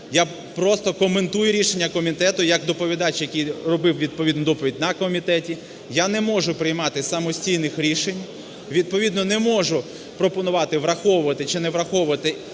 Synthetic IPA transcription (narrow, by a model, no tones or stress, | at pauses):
ja | pɾɔst̪ɔkɔment̪ujʊɾʲiʃenʲːɐkɔmʲit̪ɛt̪ʊjɐkd̪ɔpɔʋʲid̪ɑt͡ʃjɐkʲijrɔbɪwʋʲid̪̚pɔʋʲid̪nʊd̪ɔpɔʋʲidʲnɐkɔmʲit̪ɛtʲi | janɛmɔʒʊpɾɪjmɑt̪ɪsɐmɔsʲtʲijnɪxɾʲiʃenʲ | ʋʲid̪̚pɔʋʲid̪nɔnɛmɔʒʊ | pɾɔpɔnʊʋɑt̪ɪʋɾɐxɔʋʊʋɐt̪ɪt͡ʃɪnɛʋɾɐxɔwʊʋɐt̪ɪ